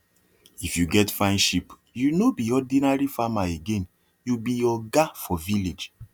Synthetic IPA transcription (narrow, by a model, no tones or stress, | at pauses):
ifjuɡɛtfãnʃip | junobiɔdĩnaɹifamaeɡẽn | jubijɔɡafɔviled͡ʒ